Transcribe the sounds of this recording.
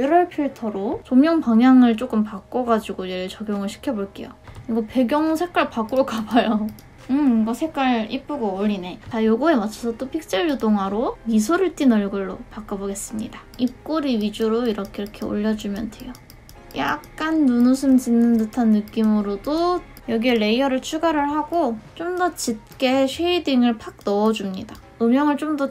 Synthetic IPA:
iɾʌɭpʰiɭtʰʌɾot͡ɕomjʌŋpaŋɦjaŋɯɭt͡ɕ͈ok͈ɯmpak͈ʌɡad͡ʑiɡojeɾɯɭt͡ɕʌɡjʌŋɯɭɕʰi̥kʰjʌboɭk͈e̞̰joɯɾiɡope̞ɡjʌŋusʰek͈aɭpak͈uɾokabʌjo | ɯmɡʌsʰe̞k͈aɭip͈uɡooʎːine̞tajoɡue̞mat͡ɕʰʌsʰʌt͈opʰik̚t͡ɕ͈eɭːudoŋɦwaɾoisʰoɾɯɭt͈inʌɭɡɯɭːopak͈ʌboɡe̞s͈ɯmɲḭda | ip̚k͈oɾiɥid͡ʑuɾoiɾʌkʰeiɾʌkʰe̞o̰ʎːʌd͡ʑumjʌnde̞jo | ja̰k̚k͈anːunusʰɯmt͡ɕɯnːɯndɯtʰanːɯk͈imɯɾodo | jʌɡieːe̞iʌɾɯɭt͡ɕʰuɡaɾɯɭhaɡot͡ɕ͈omdʌt͡ɕip̚k͈eɕʰeidiŋɯɭpʰak̚nʌːd͡ʑumɲida | ɯmjʌŋɯɭt͡ɕ͈omdʌ

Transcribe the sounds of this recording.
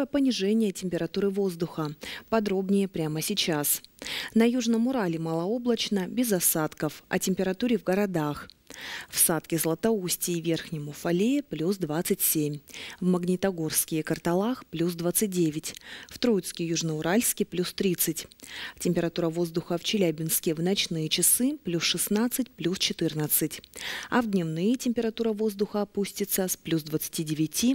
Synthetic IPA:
jəpənʲɪʐɛnʲɪjətʲɪmʲpʲɪɾɐt̪uɾɨvo̞zd̪ʊxəpɐd̪ɾo̞bnʲɪjəpɾʲaməsʲɪt͡ɕasnɐjuʐnəmʊɾalʲɪməlˠɐo̞blˠət͡ɕnəbʲɪzɐsat̪kəfɐ̰tʲɪmʲpʲɪɾɐt̪uɾʲɪvɡəɾɐd̪axfsat̪kʲɪzəlˠət̪ɐusʲtʲɪːvʲe̞rxnʲɪmʊfɐlʲejplʲusd̪vat̪sɨtʲsʲemʲvməɡnʲɪt̪ɐɡo̞rskʲɪjəkərt̪ɐlˠaxplʲus̬d̪vat̪sɨt̚ʲdʲevʲɪtʲft̪ɾojɪt̪skʲɪjuʐnəʊɾalʲskʲɪplʲust̪ɾʲit̪sɨtʲtʲɪmʲpʲɪɾɐt̪uɾəvo̞zd̪ʊxəft͡ɕɪlʲæbʲɪnskʲɪvnɐt͡ɕnɨjət͡ɕɪsɨplʲusʂɨsnat̪sɨtʲplʲust͡ɕɪt̪ɨrnət̪sɨtʲɐvd̪ʲnʲɪmnɨjətʲɪmʲpʲɪɾɐt̪uɾəvo̞zd̪ʊxəɐpusʲtʲɪt̪səsplʲusd̪vət̪sɨ̥tʲidʲɪvʲɪtʲi

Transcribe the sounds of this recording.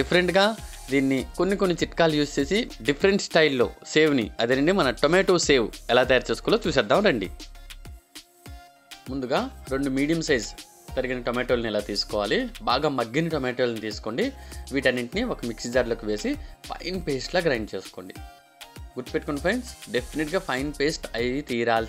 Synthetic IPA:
ɖipʰɐɾeɳʈɡaː | d̪iːnːikonːikonːit͡ʃiʈkaːlujuːst͡ʃe̞ːsiɖipʰɐɾeɳʈsʈɐjlːo̰ːse̞ːwniɐd̪ɐnɐɳɖimɐnɐʈomeːʈoːse̞ːwɛlaːt̪ɐjaːɾt͡ʃe̞ːsukuloːt͡ʃuːsɛd̪ːaːmɾɐɳɖḭ | mund̪uɡaːɾo̞ɳɖumiːɖijɐmsɐjz | k̪ɐɾiɡinɐʈomeːʈoːlɐnilaːt̪iːsu̥kɔːʋaːlibaːɡaːmɐɡːiniʈomeːʈoːlnit̪iːsu̥ko̞ːɳɖiʋiːʈɐnːiʈiniokɐmiksid͡ʒaːɾloːkiʋeːsipʰɐ̰jnpeːsʈloːɡɾɐjnɖt͡ʃe̞ːsu̥ko̞ːɳɖi | ɡuɖpeʈ̚kɐɳpʰɐjnsɖepʰːineʈɡaːpʰɐjnpe̞ːsʈɐjt̪iːɾaːl

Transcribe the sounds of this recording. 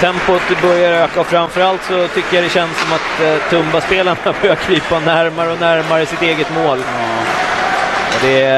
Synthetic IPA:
t̪ʰɛmpʊt̪bœɾjaɾøːkafɾamfœɾalt̪sɔt̪ʰʏkːəjad̪ɛɕɛnsːɔmat̪ʰːɵmbaspeːlaɳabœɾjakʰviːpanæɾmaɾəɔnæɾmaɾəɪsɪt̪eːɡət̪moːl | d̪ɛ

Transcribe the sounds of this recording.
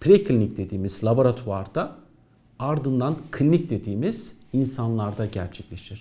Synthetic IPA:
pʰɾekʰlʲinʲic̚d̪e̞d̪iːmizlˠaboɾat̪ʰuaɾd̪a | aɾd̪ɯnd̪ankʰʲinʲic̚d̪e̞d̪iːmiz̥insanlˠaɾd̪aɟæ̰ɾt͡ʃʰɛclʲe̞ʃiɾ̥

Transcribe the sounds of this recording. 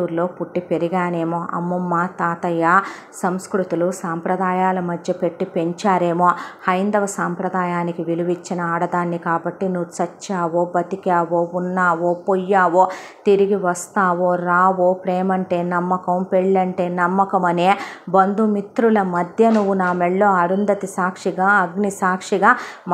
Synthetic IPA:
uːɾlo̞ːpuʈːipe̞ɾiɡaːne̞ːmoːʔɐ̰mːɐmːaːt̪aːt̪ɐjaː | sɐmskɾut̪ulusaːmpɾɐd̪aːjaːlɐmɐd̪ʱjɐpe̞ʈːipe̞ɲt͡ʃaːɾe̞ːmoːhɐjnd̪ɐʋɐsaːmpɾɐd̪aːjaːnikiʋiluʋit͡ʃːinɐaːɽɐd̪aːnːikaːbɐʈːinuʋut͡ʃɐt͡ʃːaːʋo̞ːbɐt̪ikaːʋo̞ːunːaːʋoːpɔjːaːʋoː | t̪iɾiɡiʋɐst̪aːʋo̞ːɾaːʋo̞ːpɾɛːmɐɳʈe̞ːnɐmːɐkɐmpeɭːɐɳʈe̞ːnɐmːɐkɐmɐne̞ːbɐnd̪umit̪ɾulɐmɐd̪ʱjɐnuʋunaːmɛɭːo̞ːɐɽund̪ɐt̪isaːkʂiɡaːɐɡnisaːkʂiɡaːm

